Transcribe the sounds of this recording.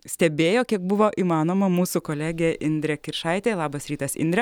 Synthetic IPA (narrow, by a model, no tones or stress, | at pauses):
sʲt̪ʲɛbʲeːjoːkʲiɛk̚bʊʋoːʔiːmɑːnoːmɐmuːsʊkoːlʲæːɡʲeːʔɪnʲd̪ʲɾʲɛkʲɪɾʃɑɪt̪ʲeːlˠɑːbɐsɾʲiːt̪ɐsɪ̰nd̪ʲɾʲɛ